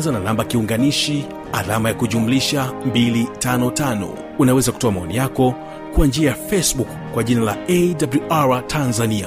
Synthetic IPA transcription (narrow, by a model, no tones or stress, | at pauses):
zananambakiuŋɡaniʃi | a̰lamajakuʄumuliʃambilitanɔtanɔ̰ | unawɛzakutɔamaɔnijakɔ | kuand͡ʒiajafɛsɓukːwaʄinalaɛdabluaɹatʰanzania